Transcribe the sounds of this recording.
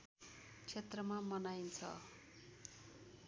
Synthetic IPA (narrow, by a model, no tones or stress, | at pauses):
t͡sʰet̪rʌmamʌnajnt͡sʰʌ̰